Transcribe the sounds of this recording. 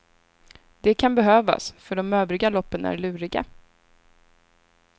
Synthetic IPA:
d̪ɛkʰanbɛɦøːva̰sfœɖɔmøːvɾɪɡalɔpːənæ̰ɾɭʉ̟ːɾɪɡa̰

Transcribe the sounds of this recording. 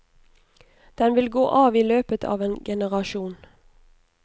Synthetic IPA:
d̪̥ɛnʋɪlɡoːʔɑːʋiːløːpət̪ʰɑ̰ːʋeːnɡɛnəʁɑʃuːn

